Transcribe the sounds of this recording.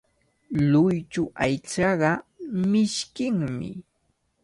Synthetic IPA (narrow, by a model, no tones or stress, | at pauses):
lʊjt͡ʃʊʔajt͡ʃɑɢɑmɪʃkɪŋmɪ̰